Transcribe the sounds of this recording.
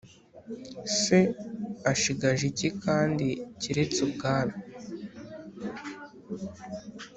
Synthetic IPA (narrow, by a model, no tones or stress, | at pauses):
se̞aʃiɡaʒicikaːndiciɾe̞t͡sub̚ɡaːβa